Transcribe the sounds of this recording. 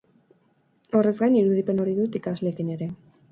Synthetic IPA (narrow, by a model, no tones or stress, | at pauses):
o̞re̞zɡajniɾuðipe̞no̞ɾiðut̪ikazle̞ːkine̞ɾe̞